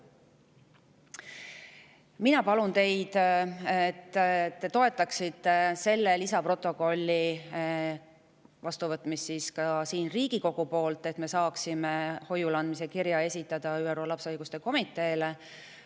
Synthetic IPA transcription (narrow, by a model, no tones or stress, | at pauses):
minɑpɑlunt̪e̞jd̪et̪ːe̞t̪o̞e̞t̪ːˑɑksit̪ːe̞se̞lːe̞lisɑpro̞t̪ːˑo̞ko̞lʲːi | vɑst̪uvɤt̪ˑmisːiːskɑsiːnriːɡ̥iko̞ɡ̥upo̞ːlt̪ˑe̞t̪me̞sɑːksimeho̞julɑnd̪mise̞kiɾjɑe̞sʲit̪ːˑɑd̪̥ɑyːeɾo̞ːlɑpsɑjɡ̥ust̪e̞ko̞mit̪ˑːe̞ːle